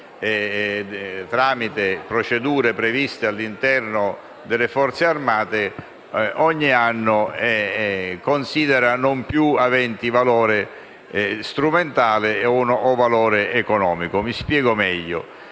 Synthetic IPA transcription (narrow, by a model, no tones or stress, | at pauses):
ɛ | t̪ɾaːmit̪epɾot͡ʃed̪uːɾepɾevist̪ealːint̪ɛrnʊ | d̪elːefɔrt̪searmaːt̪e | ɔɲːianːʊɛkonsiːd̪eɾanompjuavɛnt̪ivalɔːɾe | st̪ɾument̪aːlɪɔnɔvalɔːɾeekonɔːmikʊmispjɛːɡomɛʎːʊ̰